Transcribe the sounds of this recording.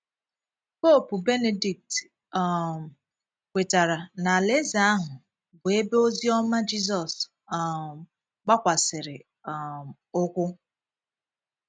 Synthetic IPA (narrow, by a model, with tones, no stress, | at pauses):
po˦˨pʊ˨be˦ne˨di˨k̚t | m˨ | kʷe˨ta˨ɾa˨na˨le˦za˦a˦ɦʊ˨ | ɡe˨e˦be˦o˦zi˦ɔ˦ma˦d͡ʒi˦zɔ˨s | k͡pa˦kʷa˨sɪ˨ɾɪ˨ | ʊ˦kʷʊ˦